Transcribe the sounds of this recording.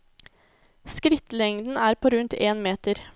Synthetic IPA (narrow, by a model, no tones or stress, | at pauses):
skɾɪt̪lɛŋd̪n̩ʔæːɾpʰoːɾʉnt̪eːnmeːt̪əɾ